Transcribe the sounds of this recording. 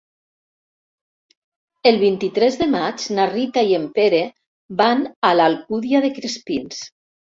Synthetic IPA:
elˠβ̞int̪it̪ɾɛzðemad͡ʒnarit̪aiempeɾe | banalalkuðiaðekɾespins

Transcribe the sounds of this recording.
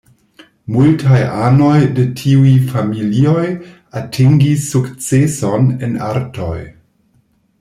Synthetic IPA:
multʰajʔano̞jde̞tʰiujfamilio̞j | atʰiŋɡisːukt͡seso̞nḛna̰ɾto̞̰j

